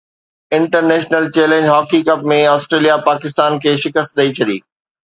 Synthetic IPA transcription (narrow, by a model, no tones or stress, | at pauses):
ɪ̃ɳʈəɾneːʃnəlt͡ɕeːlẽːɲd͡ʑɦɔːkikɐp̚mẽaːsʈɾeːlijapaːkɪst̪aːnkʰeːʃɪkəst̪̚ɗɐit͡ɕʰɐɗḭː